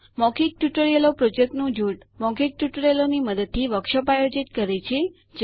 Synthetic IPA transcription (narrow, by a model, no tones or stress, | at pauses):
mɔkik̚ʈjuʈəɾielopɾod͡ʒek̚ʈnũd͡ʒuʈ | mɔkik̚ʈuʈəɾjeloniməd̪əd̪̚t̪ʰiʋəkʃəpajod͡ʒit̪kəɾet͡ʃʰe | d͡ʒ